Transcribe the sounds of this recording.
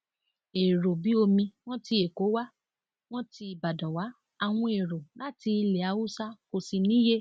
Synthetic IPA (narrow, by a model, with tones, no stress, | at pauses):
e˨ɾo˨bi˨˦o˧mĩ˧w̃ɔ̃˦ti˧e˨ko˨˦wa˦ | w̃ɔ̃˦ti˧i˨ba˨dɔ̃˨wa˨˦ | a˨w̃ɔ̃˧e˨ɾo˨la˦ti˧le˨a˨˦wu˦sa˦ko˨si˧nĩ˦je˦